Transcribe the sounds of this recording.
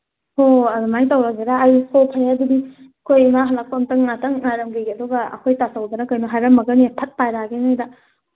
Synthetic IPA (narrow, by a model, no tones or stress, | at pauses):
hoɐdumajŋtawɾaɡedaːjukʰopʰajadudi | kʰojmaɦɐlɐk̚pomtɐŋnatɐŋnaɾɐmɡiɡeɐduɡɐɐ̰kʰojtasawdɐnɐkajnuɦajɾɐmːɐɡɐnipʰɐt̚pajɾaɡeŋajdɐ